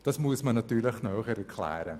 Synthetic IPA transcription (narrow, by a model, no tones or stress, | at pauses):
d̥ɑsmuəsmənɑt̪yːlɪχnœːχəɾɛɾkʰlɛ̰ːɾə